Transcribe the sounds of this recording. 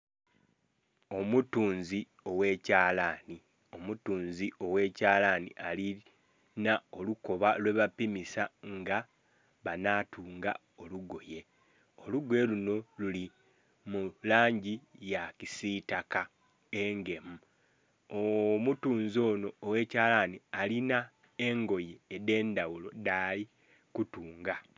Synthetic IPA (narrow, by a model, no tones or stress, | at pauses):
o̞mutuːnzi | o̞we̞ːcaːlaːni | o̞mutuːnzio̞we̞ːcaːlaːnḭʔali | nao̞luko̞βalwe̞βapimisaŋɡa | βanaːtʰuːŋɡa̰ | o̞luɡo̞je̞ | o̞luɡweluno̞luli | mulaːɲɟijakisitaka | e̞ŋɡe̞mu | omutuːnzo̞ːno̞ːwe̞caːlanialina | eŋɡo̞je̞ːde̞ːndawulo̞dali | kutuːŋɡa